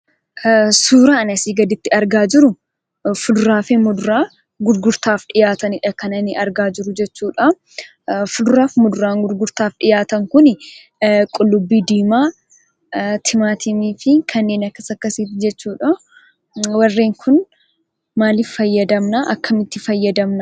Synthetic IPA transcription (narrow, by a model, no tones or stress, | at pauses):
suːɾaɐnɐsiːɡɐd̪ɪt̪ːɪɐɾɡaːd͡ʒɪɾʊ | fʊd̪ʊɾaːfɪmʊd̪ʊɾaː | ɡʊɾɡʊɾt̪aːfᶑɪjaːt̪ɐnɪᶑɐkɐnɐnɪʔɐɾɡaːd͡ʒɪɾʊd͡ʒɛt͡ʃːuːᶑɐ | fʊd̪ʊɾaːfmʊd̪ʊɾaːŋɡʊɾɡʊɾt̪aːfᶑɪjaːt̪ɐŋkʊnɪ | kʼʊlːʊbːiːd̪iːmaː | t̪ʰɪmaːt̪ʰɪmiːfɪkʰɐnːeːnɐkːɐsɐkːɐsiːt̪d͡ʒɛt͡ʃːuːᶑɐ | wɐrːeːŋkʰʊn | maːlɪffɐjːɐd̪ɐmnɐʔɐkːɐmɪt̪ːɪfɐjːɐd̪ɐmnɐ